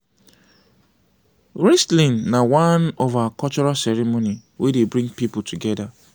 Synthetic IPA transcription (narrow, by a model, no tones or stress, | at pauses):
ɹɛstlĩnnawãnɔvakɔt͡ʃɔɾasɛɾimoniwedebɾĩŋɡpipʊltʰuɡɛda